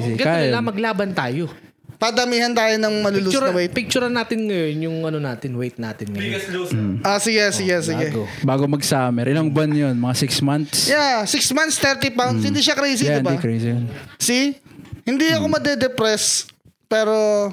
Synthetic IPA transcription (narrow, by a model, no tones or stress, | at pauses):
siɡɐkajɪlɐmɐɡlaːbɐnt̪aːjo̞ | pɐd̪ɐmiːhɐnt̪aːjonɐŋmɐlulut͡ʃɾɐwejt̪̚pɪk̚t͡ʃʊɾɐnːaːt̪ɪnŋɐjo̞njʊŋʔɐnonaːt̪ɪnwejt̪̚naːt̪ɪnŋɐjon̩ʔosɪɡɛsɪɡɛsɪɡɛɡobaːɡomɐɡsaːmɛɾʔɪlɐŋbɐnjonmɐŋasɪksmant̪sjasɪksmant̪st̪ɛɾt̪ipawnshɪnd̪iːʃɐkɾejs̬idɪnbaikɾejsɪjonsihɪnd̪iɐkomɐd̪ɛd̪ɛpɾɛs | pɛːɾo